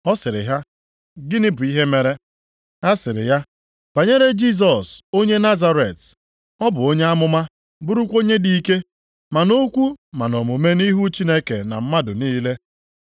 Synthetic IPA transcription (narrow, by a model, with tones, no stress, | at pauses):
ɔ˦sɪ˨ɾɪ̰˨ɦa˦ | ɡɪ˦nɪ˦bʊ˨i˦ɦe˦me˦ɾe˦ | a˦sɪ˨ɾɪ̰˨ja˦ | b̥a˨ɲe˦ɾe˦d͡ʒi˦s̬ɔ˨so˦ɲe˦na˦za˦ɾe˨t | ɔ˦bʊ˨o˦ɲe˦a˦mʊ˦ma˦ | bʊ˦ɾu˦kʷo˦ɲe˦di˨˦ke˦ | ma˨no˦kʷu˦ma˨no˨mʊ˨me˦ni˦ɦu˦t͡ʃi˦ne˦ke˨na̰˨m̩˦ma˦dʊ˨niː˦le˦